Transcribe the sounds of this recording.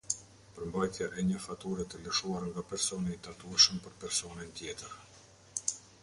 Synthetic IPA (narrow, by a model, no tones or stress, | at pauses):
pəɾmbajt̪jaʔɛɲəfat̪uɾɛt̪ələʃuaɾŋɡapɛɾsɔniit̪at̪uɛʃəmpəɾpɛɾsɔnɛnt̪jɛt̪əɾ